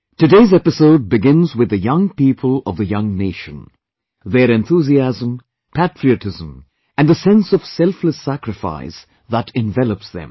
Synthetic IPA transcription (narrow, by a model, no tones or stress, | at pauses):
tɨdeɪzɛpɨsoʊd̚bɨɡɪ̃nzwɨðɨjʌ̃ŋpipʰəlˠʌvðɨjʌ̃ŋneɪʃə̃n | ðəɾɛ̃nθuziæzə̃m | pʰætɹ̥iɨtɪzə̃m | æ̃nðəsɛ̃nsʌv̥sɛlˠfləsækɾɨfa̰ɪs | ðəɾɛ̃ɱvɛlˠəpsðɨ̰̃m